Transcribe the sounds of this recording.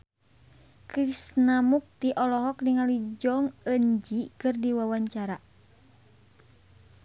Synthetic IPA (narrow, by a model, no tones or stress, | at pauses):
kɾisnamuk̚t̪iʔɔlɔɦɔkniŋalid͡ʒɔŋəɲd͡ʒikɨrdiwawaɲt͡ʃaɾa